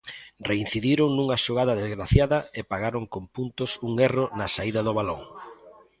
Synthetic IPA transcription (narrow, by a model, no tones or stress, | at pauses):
rein̟θiðiɾoŋnuŋɐʃoɣ̞aðɐðezɣɾaθjaðɐepaɣaɾoŋkompunt̪ʊsuŋeronɐsaiðɐðʊβ̞aloŋ